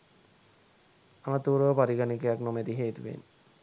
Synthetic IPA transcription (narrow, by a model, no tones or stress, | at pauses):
amat̪uːɾopaɾiɡanikejaknomed̪iɦeːt̪uʋḛn